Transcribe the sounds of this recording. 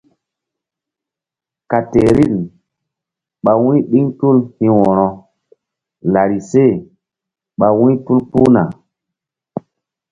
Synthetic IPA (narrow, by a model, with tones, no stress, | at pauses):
ka˨te˨ɾi˦˨n | ɓa˨wĩ˦ɓi˦ŋtu˦lhĩ˦wɔ˨ɾɔ˨ | la˨ɾi˨se˦˨ | ɓa˨wĩ˦tu˦lpu˦na˨